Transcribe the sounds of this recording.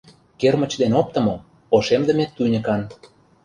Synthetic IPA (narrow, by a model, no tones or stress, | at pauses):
kermə̆t͡ɕd̪enop̚t̪ə̆mo | oʃemd̪ə̆met̪ːujnʲə̆kɑn